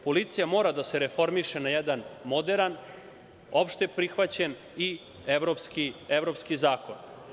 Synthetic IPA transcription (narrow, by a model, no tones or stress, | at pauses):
po̞lit̪sijamo̞ːɾad̪aseɾefo̞ɾmiʃenajɛd̪anmo̞d̪eɾan | o̞pʃt̪e̞pɾixʋat͡ɕen | i | eʋɾopskieʋɾo̞pskizaːko̞n